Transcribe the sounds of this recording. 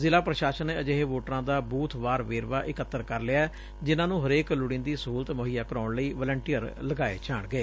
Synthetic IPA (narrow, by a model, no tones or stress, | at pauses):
zɪlaːpɾəʃaːʃənːeːəd͡ʒeːɦeːʋoːʈɾãːd̪aːbuːt̪ʰʋaːɾʋeːɾʋaːʔɪkət̪ːəɾkəɾlɪaːɛː | d͡ʒɪnãːnũːɦəɾeːklʊɽɪ̃ːnd̪iːsəuːlət̪məɦijaːkəɾaːʊɳləiːʋəːləɳʈiːəɾləɡaːḛːt͡ʃaːɳɡəeː